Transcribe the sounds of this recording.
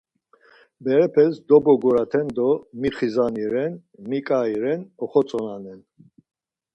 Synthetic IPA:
bɛɾɛpʰɛsd̪ɔbɔɡɔɾat̪ʰɛnd̪ɔmiχizaniɾɛn | mikʼaiɾɛnɔχɔt͡sʼɔnanɛn

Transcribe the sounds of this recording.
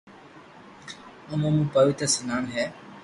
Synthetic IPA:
əmõːmũːpəʋɪt̪ɾəsənaːnɦɛː

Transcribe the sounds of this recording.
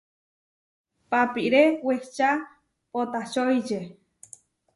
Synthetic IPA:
papiɾeweht͡ʃa | pot̪at͡ʃojd͡ʒe

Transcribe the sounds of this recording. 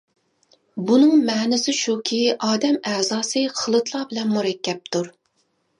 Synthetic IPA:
bunɨŋmɛːnɪsɪʃukʲʰiɑːd̪ɛmæzɑːsɨqʰəlˠɨt̪ʰlˠɑbɪlɛnmuɾɛkʲʰːɛp̚t̪ʰuɾ

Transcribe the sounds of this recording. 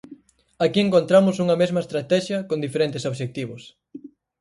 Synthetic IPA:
akieŋkõnt̪ɾamʊsuŋɐmezmɐest̪ɾat̪ɛʃjɐkond̪ifeɾent̪ɪsoβʃek̚t̪iβʊs

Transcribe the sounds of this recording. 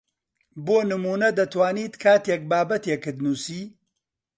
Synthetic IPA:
boːnɨmuːnɐd̪ɐt̪ʰwaːniːt̪kʰaːt̪jɛk̚baːbɐt̪ekɨd̪nuːsiː

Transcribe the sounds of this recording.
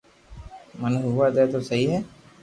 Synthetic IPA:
manuɦuʋaːd̪ɛːt̪osɐɦiɦɛ

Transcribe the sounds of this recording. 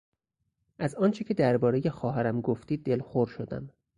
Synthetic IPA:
ʔæzɒːnt͡ʃʰecʰe̞d̪æɾbɒːɾeje̞xɒːɦæɾæmɡoft̪iːd̪̚ːelxoɾʃod̪æ̰m

